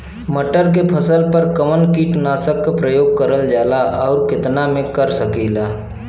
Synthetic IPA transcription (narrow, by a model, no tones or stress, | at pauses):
məʈəɾk̬epʰəsəlpəɾkəmənkiʈnaːsəkːapɾəjoːɡ̚kəɾəld͡ʒaːlaʔɔːɾkɪt̪namẽkəɾsəkiːlaː